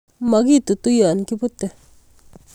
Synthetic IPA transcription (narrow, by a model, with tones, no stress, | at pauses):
ma˨ɡi˦t̪u˨t̪u˦jo˨a˨nki˦pu˦t̪e˨